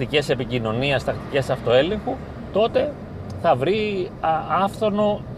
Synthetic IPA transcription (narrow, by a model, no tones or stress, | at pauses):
t̪ice̞se̞picino̞niɐst̪ɐkt̪i̥ce̞sɐft̪o̞e̞le̞ŋxu | t̪o̞t̪e̞ | θɐvɾi | ɐfθo̞no̞